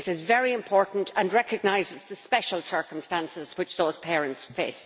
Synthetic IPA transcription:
sɪzvɛɹiɪ̃mpʰɔɹʔn̩tʰə̃nɹɛkəɡ̚naɪzɪzðəspɛʃəlˠsɜ˞kə̃mstãnsɪz̥wɪt͡ʃðoːz̥pʰɛːɹə̃ntsfeɪs

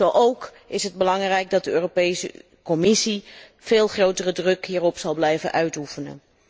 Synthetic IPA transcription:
zowʔowk | ɪsɦəd̚bəlɑŋrɛjɡ̚dɑt̚dəøːropejsə̰ | kɔmɪsi | v̥eːlˠχrowtərədrɵkɦiːrɔpsɑlˠblɛjvə̰nʔœɥtufənə̰

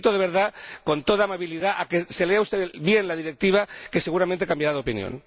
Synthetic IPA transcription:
t̪oðee̞ɾðako̞nt̪o̞ðamaβ̞iliðaʔake̞se̞leaust̪eβje̞nlaðiɾe̞k̚t̪iβ̞ake̞se̞ɣ̞uɾamẽnt̪e̞kambjaɾaðeo̞pinjo̰n

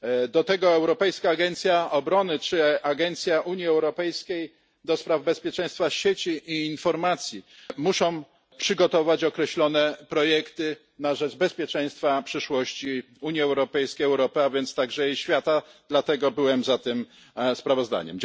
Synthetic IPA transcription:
d̪ɔt̪ɛɡɔɛwɾɔpɛjskaːɡɛnt̪sʲjaɔbɾɔnɘt͡ʂɘaɡɛnt̪sʲjaʔuɲiɛwɾɔpɛjskʲej | d̪ɔspɾavbɛspʲjɛt͡ʂɛ̃j̃st̪faɕet͡ɕiʔːnfɔɾmat̪sʲjimuʂɔ̃w̃ | pʂɘɡɔt̪ɔvat͡ɕɔkɾɛɕlɔnɛpɾɔjɛkt̪ɘ | naʐɛd͡ʐbɛspʲjɛt͡ʂɛ̃j̃st̪fapʂɘʂwɔɕt͡ɕi | uɲjiɛwɾɔpɛjskʲejɛwɾɔpɘavʲjɛnt̪st̪aɡʐɛiɕfʲjat̪ad̪lat̪ɛɡɔbɘwɛmzat̪ɘm | spɾavɔzd̪a̰ɲɛ̰m

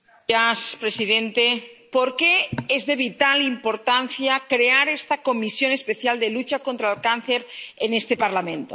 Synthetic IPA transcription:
aspɾesiðent̪epo̞ɾke̞ezðe̞β̞it̪alimpo̞ɾt̪an̟θjakɾeaɾest̪ako̞misjo̞ne̞spe̞θjald̪elut͡ʃako̞nt̪ɾalkanθeɾene̞st̪e̞paɾlamẽ̞nt̪o

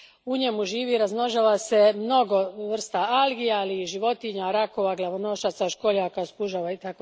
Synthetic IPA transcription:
uɲemuʒiːʋiɾazno̞ʒaːʋase̞mno̞ɡo̞ʋr̩st̪aalɡijaliʒiʋo̞t̪iɲaɾako̞ʋaɡlaʋono̞ʃat̪saʃkoʎakaspuʒaʋait̪ako

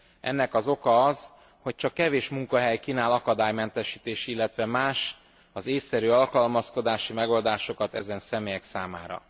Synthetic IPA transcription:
ɛ̰nːɛkɒzo̞kɒɒz | ho̞c̚t͡ʃɒkːɛveːʃmuŋkɒɦɛjkiːnaːlɒkɒd̪aːjmɛnt̪ɛʃiːt̪eːʃilːɛt̪ʋɛmaːʃ | ɒzeːsːɛɾyɒlkɒlmɒsko̞d̪aːʃimɛɡo̞ld̪aːʃo̞kɒt̪ɛzɛnsɛmeːjɛksaːmaːɾɒ̰

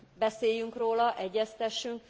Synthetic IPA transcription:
bɛseːjyŋkroːlɒʔɛɟːɛst̪ɛʃːyŋk

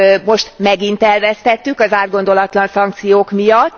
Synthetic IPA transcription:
mo̞ʃt̪mɛɡint̪ɛlvɛst̪ɛt̪ːykɒzaːrɡo̞nd̪o̞lɒt̪lɒnsɒŋkt̪sijoːkmijɒt̪ː

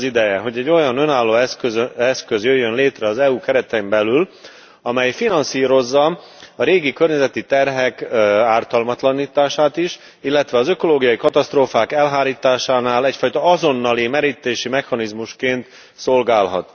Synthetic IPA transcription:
zid̪ɛjɛɦo̞ɟɛɟːo̞jɒnønaːlːoːɛskøzøɛskøzjøjːønleːt̪rɛɒzɛuːkɛɾɛt̪ɛmbɛlyl | ɒmɛjfinɒnsiːɾo̞zːɒ | ɒɾeːɡikørɲɛzɛt̪it̪ɛrɦɛkaːrt̪ɒlmɒt̪lɒniːt̪aːʃaːt̪iʃ | ilːɛt̪ʋɛɒzø̞ko̞loːɡijɒjikɒt̪ɒst̪roːfaːkɛlɦaːɾiːt̪aːʃaːnaːlɛcfɒjt̪ɒɒzo̞nːɒlimɛɾiːt̪eːʃimɛxɒnizmuʃkeːnt̪ | so̞lɡaːlɦɒ̰t̪

